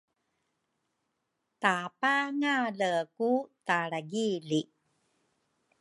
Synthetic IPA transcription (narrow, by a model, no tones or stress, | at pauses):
t̪apaŋaləkutaɾaɡili